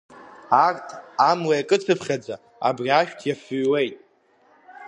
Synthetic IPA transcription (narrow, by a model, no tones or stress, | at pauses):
artʰamlajakʼɨt͡sʰɨpʰχʲad͡za | a̰briaʃᶣtʰjafɨɥwe̞jtʼ